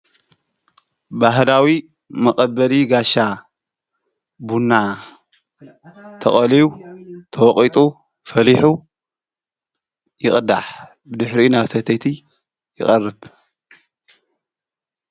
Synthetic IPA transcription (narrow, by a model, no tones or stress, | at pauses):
baɦlawi | mɐkʼɐbːɐliɡaʃa | bunːa | t̪ʰɐχʼɐliut̪ʰɐwɔqʼit̪ʼu | fɐliħu | jɪχʼd̪aħ | bɨd̪ɨħɾinaβt̪ʰɐt̪ʰɐt̪ʰi | jɪ̰χʼɐrːɨb